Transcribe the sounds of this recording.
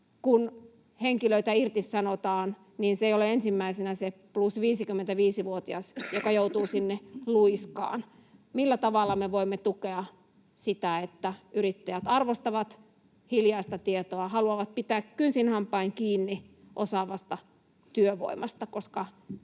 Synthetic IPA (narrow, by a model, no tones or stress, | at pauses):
kun | heŋkiløit̪æirt̪issɑnot̪ɑːn | niːnseijoleensimːæisenæseplusʋiːsikymːent̪æʋiːsiʋuot̪iɑsjokɑjout̪uːsinːeluiskɑ̰ːn | milːæt̪ɑʋɑlːˑɑmeʋoimːet̪ukeɑ | sit̪æet̪ːæyrit̪ːæjæt̪ɑrʋost̪ɑʋɑt̪ | hiljɑist̪ɑt̪iet̪oɑhɑluɑʋɑt̪̚pit̪æːkkynsinhɑmpːˑɑiŋkiːnːi | ʔosɑʋɑst̪ɑ | t̪yøʋo̰imɑst̪ɑkoskɑ